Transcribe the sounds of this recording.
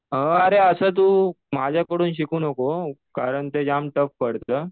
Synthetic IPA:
ɦəəɾeəsəːt̪̬uː | mad͡ʑʱjakəɽuːnɕikuːnəkokaɾəɳt̪ed͡ʑamʈəfpəɽt̪əː

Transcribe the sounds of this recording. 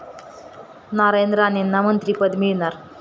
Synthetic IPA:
naɾajnd̪ɾəanenːamənt̪ɾiːpəd̪miɭnaɾ

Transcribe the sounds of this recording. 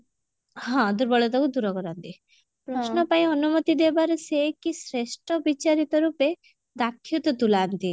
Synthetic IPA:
ɦɔ̃d̪uɾbɔɭɔt̪ɔkud̪uɾɔkɔɾɔnt̪i | pɾɔsnɔpaĩɔnumɔt̪id̪ebaɾɔsekisɾesʈɔbit͡ʃaɾit̪ɔɾupe | d̪akʰːjut̪ɔt̪ulant̪i

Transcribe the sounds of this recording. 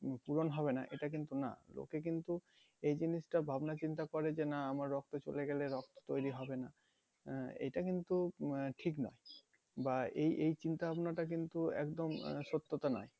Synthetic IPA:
puɾonɦɔbena̰ʔeʈakint̪una̰lo̰kek̬int̪u | ejd͡ʑiniʃʈabʱabnat͡ɕint̪akɔɾed͡ʑenaamaɾːɔk̚t̪ot͡ɕoleɡɛleɾɔkt̪o̥t̪ojɾiɦɔbena | ḛjʈakint̪uʈʰiknɔ̰e | baejʔejt͡ɕint̪abʱabnaʈak̬int̪uɛ̰kd̪omʃot̪ːot̪anɔ̰e

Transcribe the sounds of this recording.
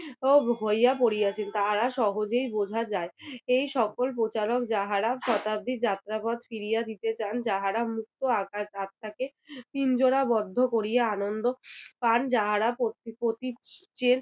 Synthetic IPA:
oɦojjapoɾijat͡ɕʰent̪aɾaʃɔɦod͡ʑejbod͡ʑʱad͡ʑaeejʃɔkolp̬ɾot͡ɕaɾok̚d͡ʑaɦaɾaʃɔt̪ab̚d̪ʱid͡ʑat̪ːɾapɔd̪fiɾijad̪it̪et͡ɕand͡ʑaɦaɾamuk̚t̪oakaat̪ʰːaket̪ind͡ʑoɽabɔd̪ʱːokoɾijeanond̪opand͡ʑaɦaɾapot̪pɾot̪it͡ɕen

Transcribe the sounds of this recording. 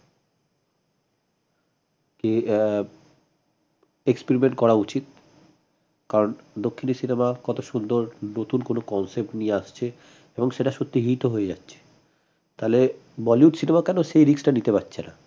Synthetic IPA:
ke | ekspeɾimeɳʈkɔɾaut͡ɕit̪̚ | kaɾond̪okʰːinesinemakɔt̪oʃund̪oɾnot̪unkonokɔnsep̚ʈnieaʃt͡ɕʰe | eboŋʃeʈaʃot̪ːiɦit̪oɦoed͡ʑa̰tːɕʰe̥ | t̪alebɔlijuʈsinemakɛnoʃejɾiksʈanit̪epatːɕʰena̰

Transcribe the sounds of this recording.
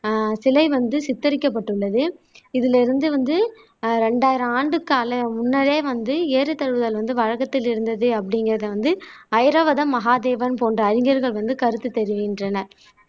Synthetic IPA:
sɪlɐɪʋɐnd̪ɯsɪt̪ːɐɾɪkːɐpːɐʈːɯɭːɐðɯɪðɪlɪɾɯnd̪ɯʋɐnd̪ɯ | ɾɛɳɖaːjɪɾɐ̃aːɳɖɯkːaːlɐmʊnːɐleːʋɐnd̪ɯeːɾɯt̪ːɐɻɯʋɯðɐlʋɐnd̪ɯʋɐɻɐkːɐt̪ːɪlɪɾɯnd̪ɐðɯɐp̬ːɐɽɪŋɡɪɾɐðɐʋɐnd̪ɯɐɪɾɐʋɐðɐmːɐɦaːd̪eːʋɐnpoːndrɐːɾɪŋɡɐɾɣɐɭʋɐnd̪ɯkɐɾɯt̪ːɯt̪ːɛɾɪʋiɪndrɐnɐ

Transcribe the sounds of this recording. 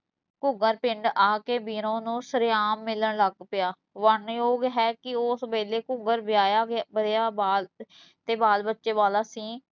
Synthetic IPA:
kʊɡəɾpɪɳɖaːkeːbiːɾõːnũːsəɾeaːmːɪləɳləɡpɪjaː | ʋəɳjoːɡɦɛːkɪosbeːleːkʊɡəɾbɪjaːjaːɡbəɾjaːbaːl | t̪eːbaːlbətːʃeːʋaːlaːsĩː

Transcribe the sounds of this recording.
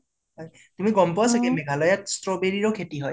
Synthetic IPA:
ɦɔj | tumiɡɔmpʊwasakɛmɛɡʱalɔjatstɹɔbeɹiɹɔkʰetiɦɔj

